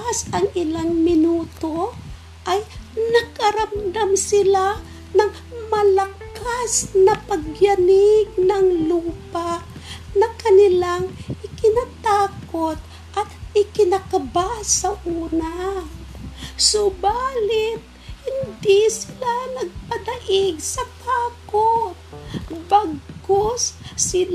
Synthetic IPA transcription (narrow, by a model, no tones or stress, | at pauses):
asʔɐŋɪlaŋmɪnuːt̪o | ʔajnɐɡ̚kɐɾamd̪amsɪla | nɐŋ | mɐlakasnɐpɐɡjanɪɡ̚nɐŋluːpanɐkɐnɪlaŋʔɪkɪnat̪aːkot̪̚ | ʔɐt̪ɪkɪnakɐbasɐʔuːna | sobaːlɪt̪̚hɪnd̪ɪsɪlanɐɡ̚pɐd̪ɐʔɪɡsɐt̪aːkot̪̚baɡkosːɪl